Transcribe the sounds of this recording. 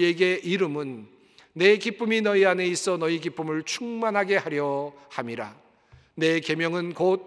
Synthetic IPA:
eɡe̞ʔiɾɯmɯnː | e̞kip͈uminʌiane̞is͈ʌnʌikip͈ɯmɯɭt͡ɕʰuŋmanɦaɡe̞haɾjʌhamiɾa̰ | ne̞ke̞mjʌŋɯnkot̚

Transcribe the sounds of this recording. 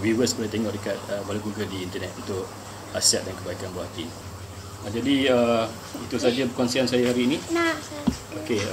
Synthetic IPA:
wiwəsbəɾat̪eŋɔʔdəkat̪̚əbaluɡuɡədiːnt̪ənɛt̪unt̪ʊʔ̚ | asiat̪̚dankəbaikanbahak̪ḭ | əd͡ʒadiə | it̪usad͡ʒabəkɔnsiansajaɦaɾiːnĩna | oke

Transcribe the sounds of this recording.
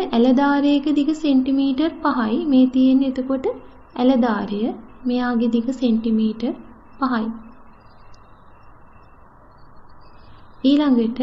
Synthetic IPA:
ʔælɐd̪aːɾejəkəd̪ikəseɳʈimiːʈɐrpaɦajmeːt̪ijenːed̪ukoʈə | æləd̪aːɾejəmejaːɡed̪iɡəseɳʈimiːʈɐr | paɦaj | iːlaŋɡəʈə

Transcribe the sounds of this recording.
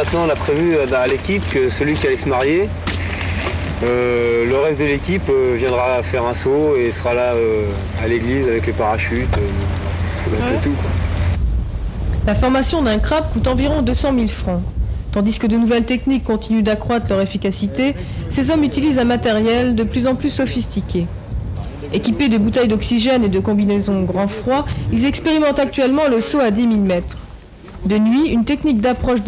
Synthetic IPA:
ɛ̃t̪nɑ̃lapχevybɛ̃alekʲipkəsəlɥikʲialɛsəmaʁje | øləʁɛst̪̚d̪əlekʲipøvjɛ̃d̪ʁafɛʁɛ̃soesəʁalaø | aleɡlizavɛklepaʁaʃyt̪øɔ̃ | bɛ̃ɛt̪ukwa | lafɔʁmasjɔ̃d̪ɛ̃kχap̚kut̪ɑ̃viʁɔ̃d̪øsɑ̃milfχɑ̃t̪ɑ̃d̪iskəd̪ənuvɛlt̪ɛknikːɔ̃t̪inyd̪akχwat̪χlœʁefikʲasit̪e | sezɔmyt̪ilizɛ̃mat̪ɛʁjɛld̪əplyzɑ̃plysɔfist̪ikʲe | ekʲiped̪əbut̪ɛjd̪ɔksiʒɛned̪əkɔ̃binezɔ̃ɡʁɑ̃fχwailzɛkspeʁimɑ̃t̪ak̚t̪ɥɛlmɑ̃ləsoad̪imilmɛt̪χ | d̪ənɥiynt̪ɛknik̚d̪apχɔʃd̪

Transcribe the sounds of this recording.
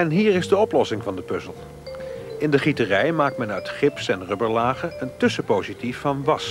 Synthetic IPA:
ɛnɦiːɹɪzdəɔplɔsɪŋvɑndəpɵzəlˠ | ɪndəχitərɛjmaːk̚tmɛnœɥtχɪpsɛnrʏbəɹlaːχəəntɵsəpowzitifːɑnʋɑs

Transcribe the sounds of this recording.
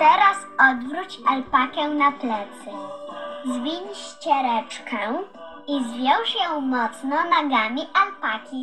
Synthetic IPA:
t̪ɛɾasɔd̪vɾut͡ɕalpakɛnaplɛt̪sɘ | zvʲiɲɕt͡ɕɛɾɛt͡ʂkʰɛ | izvʲjɔ̃w̃ʂjɔ̃w̃mɔt̪snɔnaɡamʲiʔalpakʲi

